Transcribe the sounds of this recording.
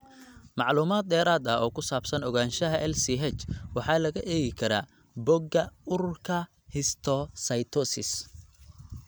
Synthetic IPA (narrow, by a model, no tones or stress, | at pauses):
mɑʕluːmaːd̪̚d̪ɛːɾaːd̪ɐɔːkʰʊsaːbsɐnɔɣaːnʃɐɦɐʔɛlsiɦɛt͡ʃwɑħɑːlɐɣɐʔɛːɣɪkʰɐɾa̰ː | bɔɡɐʊrkʰɐ | hɪst̪ʰɔsɐjt̪ʰɔsɪ̰s